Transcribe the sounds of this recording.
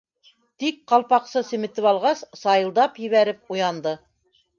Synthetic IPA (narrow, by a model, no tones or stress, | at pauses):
t̪ik̚qɑlˠpɑqsɤsɘ̆mɘ̆t̪ɘpɑlˠʁɑssɑjɤ̆lˠd̪ɑpjɘ̆βæɾɘp̚ujɑnd̪ɤ